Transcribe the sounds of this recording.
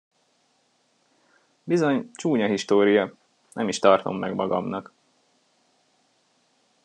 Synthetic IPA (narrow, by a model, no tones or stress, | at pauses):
bizo̞ɲt͡ʃuːɲɒɦiʃt̪oːɾijɒ | nʔɛmiʃt̪ɒrt̪o̞̰mːɛɡmɒɡɒ̰mnɒk